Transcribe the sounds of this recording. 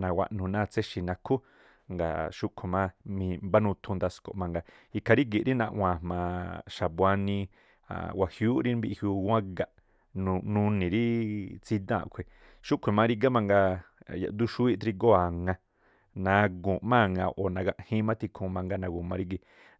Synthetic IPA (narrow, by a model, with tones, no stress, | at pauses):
nã˨˧wa̰˧˨ʔnũ˨nã˦˧t͡se˦ʃi˨nã˧kʰu˦ | ŋɡa̰˨ʃu˦ʔkʷʰe˨mã˦mĩ˧mba˦nũ˧t̪ʰũ˧nd̪a˧sko̰˨ʔmã˧ŋɡa˧ | i˧kʰa˧ɾi˦ɡi˨ɾi˦nã˧ʔw̃ʷã˧˨mãː˧ʃa˨ba˧nĩ˧ | a̰˨wa˨hjuː˦ʔɾi˦mbi˧hjuː˧ɡã˦ɡa˧ʔ | nũ˧nũ˧nĩ˨ɾi˦t͡si˧d̪ã̰˦˨ʔkʷʰe˨ | ʃu˦kʰʷe˨mã˧ɾi˦˧ɡa˦mã˧ŋɡa˧ | ja̰˨ʔd̪u˦ʃu˦i˦ʔt̪ɾi˧ɡo˦a˨ŋã˧ | nã˧ɡũ˨ʔmã˦˨ŋã̰˧ʔo˨nã˧ɡa˧ʔhĩ˦mã˦t̪i˧kʰũ˧mã˧ŋɡa˧nã˧ɡũ˨mã˧ɾi˦ɡi˧˨